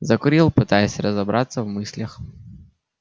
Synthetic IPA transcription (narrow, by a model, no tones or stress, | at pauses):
zəkʊɾʲilˠpɨt̪ajɪsʲrəzɐbɾat̪səvmɨsʲlʲəx